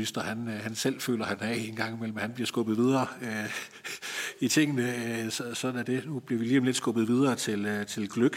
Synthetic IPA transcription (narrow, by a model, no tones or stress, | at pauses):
isd̥ɐhænhænsel̰fø̰ːlɐhænæe̝nɡ̥ɑ̈ŋ̰imel̰m̩æhænbliɐsɡ̥ɔ̽b̥ð̩ˠʋið̞ˠɐːø | it͡sʰe̝ŋ̰ənəsɒsɒ̽d̥n̩æd̥e̝nub̥liɐʋiliːɒ̽mle̝d̥sɡ̥ɔ̽b̥ð̩ˠʋiðˠɐːt͡sʰe̝lt͡sʰe̝lɡ̥løɡ̥